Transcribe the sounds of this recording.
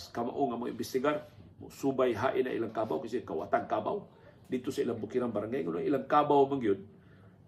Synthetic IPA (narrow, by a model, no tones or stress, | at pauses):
skama̰ʔuŋamuŋḭmbisiɡarmṵsubajɦaʔina̰ʔḭləŋkabawkisikawa̰t̪aŋkaba̰w | dit̪usailəmbukiɾanbaɾaŋaŋunuilaŋkabawməŋɡiun